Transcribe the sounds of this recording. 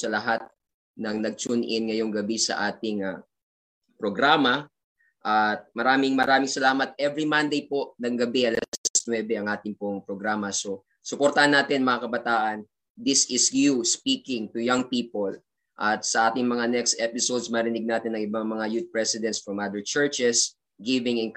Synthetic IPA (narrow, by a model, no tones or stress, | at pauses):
sɐlɐɦat̪̚ | nɐŋnɐɡ̚t͡ʃunʔɪnŋɐjo̞ŋɡɐbisɐ̰ʔaːt̪ɪŋa | pɾoɡɾaːmɐ | ʔɐt̪̚mɐɾaːmɪŋmɐɾaːmɪŋsɐlaːmɐt̪̚ʔɛvɹimɐnd̪ejpo̞ʔnɐŋɡɐbɛʔɐlɛssnwɛbɛɐŋʔaːt̪ɪŋpoŋpɾoɡɾaːmɐso̞ | sʊpoɾt̪ɐhɐnːaːt̪ɪnmɐŋakɐbɐt̪aːʔɐn | d̪ɪsɪsjuspiːkɪŋt̪ujaŋpiːpol | ʔɐt̪̚sɐʔaːt̪ɪŋmɐŋanɛkst̪ʔɛpɪsod̪smɐɾɪnɪɡ̚naːt̪ɪnɐŋʔɪbaŋmɐŋajut̪̚pɹɛsɪd̪ɛntsfɹɐmʔad̪ɛɹt͡ʃɛɹt͡ʃɛs | ɡɪvɪŋɪn